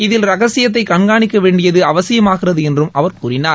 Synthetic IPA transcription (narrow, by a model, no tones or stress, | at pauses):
ɪðɪlɾɐɣɐsɪjɐt̪̬ːɐɪkɐɳɡaːɳɪkːɐʋeːɳɖɪjɐðɯɐʋɐsɪjɐmaːɣɪrɐðɯɛndrɯmʔɐʋɐɾkuːrɪnaːɾ